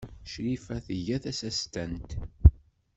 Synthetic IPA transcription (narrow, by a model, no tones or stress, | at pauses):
ʃɾifæθəʝæθæsæst̪ænt̪